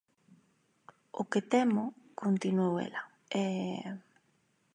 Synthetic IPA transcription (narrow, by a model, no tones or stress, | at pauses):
o̰ket̪ɛmʊkont̪inuowḛla | ɛ